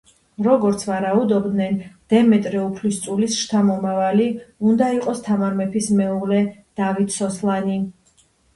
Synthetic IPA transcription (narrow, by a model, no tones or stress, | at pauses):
ɾɔɡɔɾt̪sʰvaɾaud̪ɔbd̪nɛnd̪̥ɛmɛt̪ʼɾɛupʰlist̪sʼulisʃt̪ʰamɔmavaliund̪aiqʼɔst̪ʰamaɾmɛpʰismɛulɛd̪̥avit̪ʰsɔslˠani